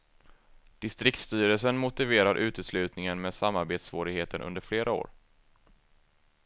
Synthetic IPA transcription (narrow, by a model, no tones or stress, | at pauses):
d̪̥ɪst̪ɾɪk̚t̪st̪yːɾəls̬ənmʊt̪ɪveːɾaɾʔʉ̟ːt̪əslʉ̟ːt̪nɪŋənmeːd̪samːaɾbeːt̪svoːɾɪɡheːt̪ənʔɵ̰nd̪əɾfleːɾʔao̰ːɾ